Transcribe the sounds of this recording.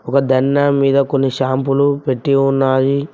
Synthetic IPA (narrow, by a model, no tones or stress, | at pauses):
ɔkɐd̪ʱɐnːɐmiːd̪ɐkonːiʃaːmpulupeʈːiunːaːji